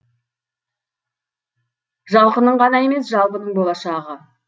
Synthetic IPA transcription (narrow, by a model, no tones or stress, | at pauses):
ʒɑlˠqənəɴʁɑnɑje̞me̞sʒɑlˠpənəɴbolˠɑʃɑʁə